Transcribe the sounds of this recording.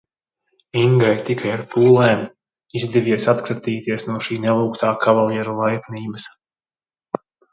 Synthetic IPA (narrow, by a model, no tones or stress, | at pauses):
iŋɡajt̪ikajaɾpuːlˠeːm | izd̪ɛviɛsat̪kɾat̪iːt̪iɛsnuɔʃiːnɛlˠuːkt̪aːkʰavalˠiɛɾulˠajkniːbəs